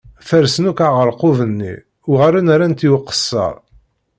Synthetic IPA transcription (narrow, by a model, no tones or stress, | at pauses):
θæɾsənukaʁəɾqʊvənːḭ | ʊʁæɾænaɾænt̪iwəqːə̥sːɑ̰ɾˤ